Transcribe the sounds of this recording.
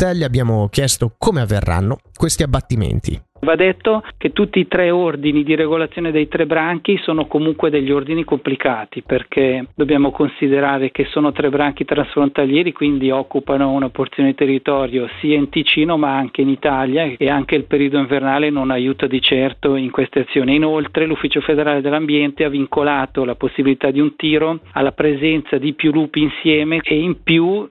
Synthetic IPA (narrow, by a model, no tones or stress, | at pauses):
t̪ɛlʎːiabːjaːmokjɛst̪okʰoːmeavːḛrːa̰nːo | kwest̪iabːat̪ːimḛnt̪ʰḭ | vad̪ːet̪ːoket̪ːut̪ːiːt̪ɾɛord̪inid̪iɾeɡolat̪sːjoːned̪ejt̪ɾɛbɾaŋk̟isoːnokomuŋkwed̪eʎːiord̪inikomplikaːt̪iperk̟ʰed̪objaːmokonsid̪eɾaːɾekesːoːnot̪ɾɛbɾaŋkit̪ɾansfɾont̪aljeːɾikwind̪iɔkːupanounaport̪sjoːned̪it̪erːit̪ɔːɾjosiːaint̪it͡ʃiːnomaaŋk̟einit̪aljaeaŋk̟eilpeɾiod̪oiɱvernaːlenonajuːt̪ad̪it͡ʃɛrt̪oiŋkwest̪eat̪sːjoːniinolt̪ɾelufːiːt͡ʃofed̪eɾaːled̪elːambjɛnt̪eaviŋkolaːt̪olaposːibilit̪ad̪iunt̪iːɾoalːapɾezɛnt̪sad̪ipjuluːpiːnsjɛːmeeimpju